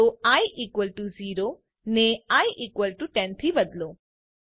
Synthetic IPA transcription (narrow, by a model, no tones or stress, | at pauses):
oaiʔiːkʋəlʈuziːɾo | neaiʔiːkʋəlʈuʈɛ̃nt̪ʰibəd̪lo